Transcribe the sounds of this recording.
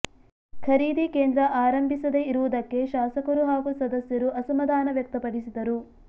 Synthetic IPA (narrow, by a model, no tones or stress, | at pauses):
kʰɐɾiːd̪ikeːnd̪ɾɐʔaːɾɐmbʱisɐd̪eiɾuʋud̪ɐkːe̞ʃaːsɐkɐɾuɦaːɡusɐd̪ɐsjɐɾuʔɐsɐmɐd̪aːnɐʋjɐk̚t̪ɐpɐɽisid̪ɐɾu